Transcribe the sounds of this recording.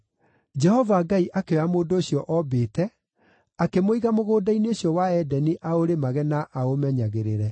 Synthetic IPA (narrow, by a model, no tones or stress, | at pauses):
d͡ʒɛhɔvaɡaiʔakeamoːndoːɕjɔʔɔbeːtɛ | akemoiɣamoɣoːdaineoɕjɔwaɛdɛniʔaoɾemaɣɛnaʔaomɛɲaɣeɾeɾɛ